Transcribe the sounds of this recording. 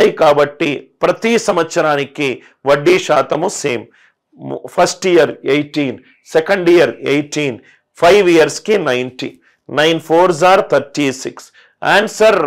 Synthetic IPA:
ɐjkaːbɐʈːipɾɐt̪isɐmɐt̪sɐɾaːniki | ʋɐɖːiʃaːt̪ɐmuseːm | pʰɐsʈijɐɾejʈiːn | sɛkɐɳɖijɐɾejʈiːn | pʰɐjʋijɐɾskinɐjnʈḭ | nɐjnpʰoːɾzaːɾt̪ʰɐɾʈiːsiks | aːnsɐɾ

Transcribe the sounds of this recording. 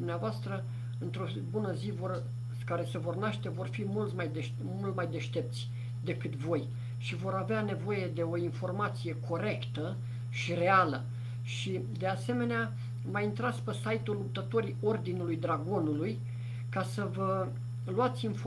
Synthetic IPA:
umneavoast̪ɾə | ɨnt̪ɾo̞ | bunəzivor | kaɾe̞se̞vo̞rnaʃt̪e̞vo̞rfimult̪majd̪eʃ | mult̪majd̪e̞ʃt̪e̞p̚t̪sʲ | d̪e̞kɨt̪vo̞j | ʃivo̞ɾaveane̞vo̞je̞d̪e̞o̞info̞rmat̪sije̞kʰo̞ɾe̞kt̪ə | ʃire̞alə̰ | ʃi | d̪e̞ase̞me̞nea | maint̪ɾat̪spəsajt̪ulːup̚t̪ət̪o̞ɾio̞rd̪inulujd̪ɾaɡo̞nuluj | kasəvə | luat̪sʲinf

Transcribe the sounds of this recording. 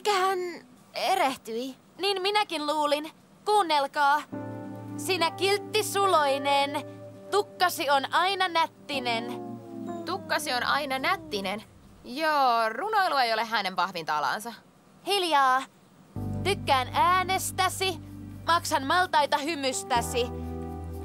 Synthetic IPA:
kæhæn | eɾeht̪yi | niːnminækinluːlin | kuːnːelkɑː | siːnækilt̪ːisulo̞inent̪ukːɑsionɑinɑnæt̪ːinen | t̪ukːɑsionɑ̰inɑnæt̪ːinen | joːruno̞jluejoleɦæne̞mpɑhʋint̪ɑ̰lɑ̰ːnsɑ | hiljɑː | t̪ykːæːnæːnest̪æsimɑksɑnmɑlt̪ɑjt̪ɑhymyst̪æsi

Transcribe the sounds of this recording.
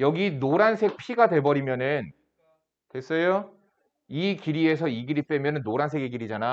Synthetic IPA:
jʌɡinoɾansʰe̞k̚pʰiɡadwe̞bʌɾimjʌnɯn | kwes͈ʌjo | ikiɾie̞s̬ʰʌiɡiɾip͈e̞mjʌnɯnːoɾansʰeɡe̞ɡiɾid͡ʑana

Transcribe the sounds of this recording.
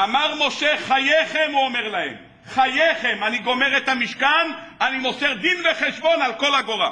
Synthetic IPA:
amaʁmo̞ʃe̞χajeχemuome̞ʁlahḛm | χajeχemaniɡo̞meʁet̪amiʃkan | animo̞seʁd̪inveχeʃbo̞nalko̞laɡo̞ʁa̰

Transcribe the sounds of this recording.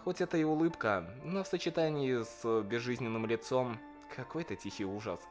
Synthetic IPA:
xo̞tʲɛt̪əɪʊlˠɨpkənofsət͡ɕɪt̪anʲɪːsbʲɪzʐɨzʲnʲɪnːɨmlʲɪt̪so̞m | kʰɐko̞jt̪ətʲixʲiuʐəs

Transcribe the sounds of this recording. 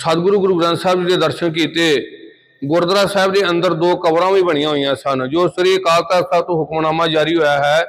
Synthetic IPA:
səd̪ɡɾuːɡʊɾuːɡɾãnt̪saːɪbd͡ʒɪd̪eːd̪əɾʃənkiːt̪eː | ɡʊɾd̪ɾaːsaːɪbd̪eːənd̪əɾd̪oːkəbɾãːʋĩːbəɽ̃ɪjãːɦoːijãːsənd͡ʒoːsəɾiːkaːlt̪aːt̪aːt̪õːɦʊkmnaːmãːd͡ʒaːɾiːɦoːjaːɦɛː

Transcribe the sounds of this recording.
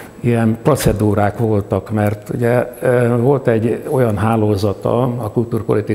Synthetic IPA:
ijɛnpro̞t̪sɛd̪uːɾaːkʋo̞lt̪ɒkmɛrt̪uɟɛvo̞lt̪ɛɟːo̞jɒnɦaːloːzɒt̪ɒ̰ɒkult̪uːrpo̞lit̪i

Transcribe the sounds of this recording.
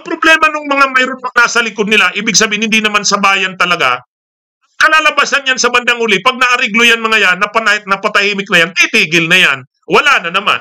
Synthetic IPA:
ʔɐŋpɾoblɛmɐnʊŋmɐŋamɐjɾonɐŋnaːsɐlɪkod̪̚nɪlaʔiːbɪɡsɐbiːɪnhɪnd̪inɐmansɐbaːjɐnt̪ɐlɐɡa̰ | kɐlaːlɐbaːsɐnjansɐbɐnd̪aŋhʊlɪpɐɡ̚nɐʔɐɾɪɡlojanmɐŋajanːɐpɐnɐnɐpɐt̪ɐhiːmɪk̚nɐjant̪ɪt̪iːɡɪlnɐjan | wɐlaːnɐnɐma̰n

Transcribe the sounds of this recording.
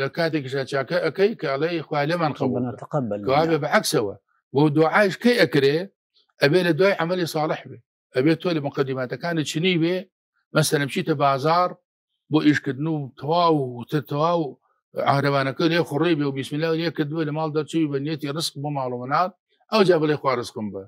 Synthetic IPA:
lɐkaːt̪ikiʃ̬aːt͡ʃaːkɐʔɐkɐjkɐlejxwaːjlɐmanqɑbkɐwaːbebʕaksɐwɐ̰ | bod̪uʕaːʃkɐjʔɐkɾe | ʔɐbeːlɐd̪waːjʕamɐlisˤɑːlɨħbe | ʔɐbeːt̪oːlɪmʊqɐd̪ːimaːt̪ɐkaːnɨt͡ʃʰɪniːbe | mɐsɐlɐnb̚t͡ʃiːt̪ɐbaːzaːɾˤ | boːʔiʃkəd̪nut̪ʰɐwaːwt̪ɐt̪ɐwaːw | ʕa̰hɾɐβaːnɐkɐleːxʊɾibewbismɨlːaːwleːkɪd̪nwelɪmaːld̪ɐɾt͡ʃibibɐnijet̪iɾɨzqbomaːlumɐnaːt̪̚ | ʔɐwd͡ʒaːbɨlejxwaːɾɨzqɨmbɐ

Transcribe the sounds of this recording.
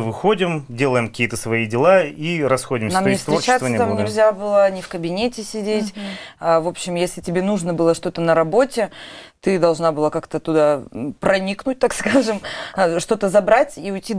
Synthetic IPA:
ɨvɨxo̞dʲɪmdʲelˠəjɪmkɐ̥kʲiːət̪əsvɐidʲɪlˠaiɾɐsxo̞dʲɪmnamnʲɪfst̪vɾʲɪot͡ɕast̪vt̪amnʲɪlʲzʲabɨlˠənʲɪfkəbʲɪnʲetʲɪsʲɪdʲetʲavo̞pɕːɪmjesʲlʲɪtʲɪbʲe̞nuʐnəbɨlˠəʂt̪o̞t̪ənəɾɐbo̞tʲɪt̪ɨd̪ɐlˠʐnabɨlˠakakt̪ət̪ʊd̪apɾɐnʲiknʊt̚ʲt̪akskaʐɨmʂt̪o̞t̪əzɐbɾatʲiʊjtʲːi

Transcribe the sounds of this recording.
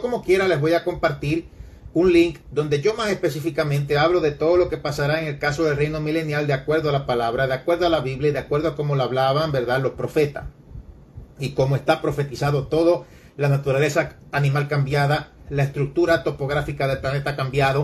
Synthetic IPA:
oko̞mo̞kje̞ɾale̞zβo̞jako̞mpaɾt̪iɾ | uŋliŋkd̪ond̪e̞ʝo̞mase̞spe̞sifikamẽnt̪̬e̞aβlo̞ðe̞t̪o̞ðo̞lo̞ke̞pasaɾaeŋe̞lkaso̞ð̞e̞lrejno̞mile̞njald̪eakwe̞ɾðoalapalaβɾaðeakwe̞ɾðoalaβiβljaiðeakwe̞ɾðoakomo̞laːβlaβambe̞ɾðaðlo̞spɾo̞fe̞t̪a̰s | iko̞moest̪apɾo̞fe̞t̪isaðo̞t̪o̞ðo̞ | lanat̪uɾale̞sa | anĩmalkambjaða | lae̞st̪ɾuk̚t̪uɾat̪o̞po̞ɣ̞ɾafikaðelplane̞t̪akambjaðo

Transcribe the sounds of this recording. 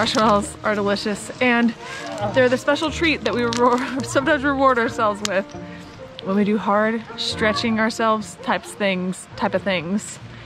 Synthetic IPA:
ɑʃɛlˠzʔə˞dəlɪʃɨsɨ̃nðə˞ðɨspɛʃl̩ˠtʰɹ̥it̪̚ðɨʔ̚wisʌ̃mdãɪ̃zɹɨwɔɹɾa˞sɛlˠvzwɪð̥ | wə̃nwidɨɦɑɹdstɹ̥ɛt͡ʃɪ̃ŋə˞sɛlˠvz̥tʰaɪpsθɪ̃ŋz̥tʰaɪpʌv̥θɪ̃ŋz̥

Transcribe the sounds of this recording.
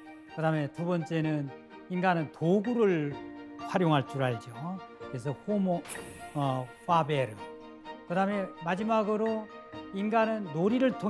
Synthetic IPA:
kɯdame̞tubʌnt͡ɕ͈e̞nɯn | inɡanɯntoɡuɾɯɭɸwaɾjoŋɦaɭt͡ɕ͈uɾɦaɭd͡ʑokɯɾes̬ʰʌhomoʌfabeɾɯ | kɯdame̞mad͡ʑimaɡɯɾoinɡanɯnːoɾiɾɯɭtʰo

